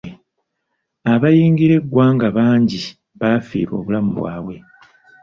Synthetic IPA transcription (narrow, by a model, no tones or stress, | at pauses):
aβajiːŋɡiɾe̞ɡːwaːŋɡaβaːɲɟi | βaːfḭːɾwo̞̰ːβulamuβwa̰ːwe̞